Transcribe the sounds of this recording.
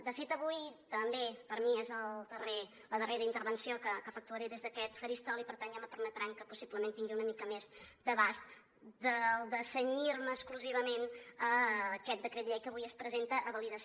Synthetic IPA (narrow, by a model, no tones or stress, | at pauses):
d̪əfet̪əβujt̪əmbepəɾmiezəlˠd̪əre | ləðəreɾəint̪əɾβənsiokəkəfək̚t̪uəɾeðezðəkɛt̪fəɾist̪ɔlˠipəɾt̪anʒaməpəɾmət̪ɾaŋkəpusibləmẽnt̪iŋɡiunəmikəmezd̪əβast̪ | d̪əlˠd̪əsəɲiɾməːskluziβ̞əmenəkɛt̪̚d̪əkɾet̪ʎɛjkəβujəspɾəzent̪əʔəβəliðəs